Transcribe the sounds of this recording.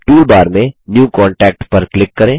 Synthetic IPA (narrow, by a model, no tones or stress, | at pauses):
ʈuːlbaːɾmẽnjuːkɔːɳʈɛːk̚ʈpɐɾklɪkːɐɾẽː